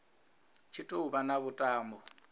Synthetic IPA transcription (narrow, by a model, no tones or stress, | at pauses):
t͡ʃʰitʼoubanaβʊtʼaːmbɔ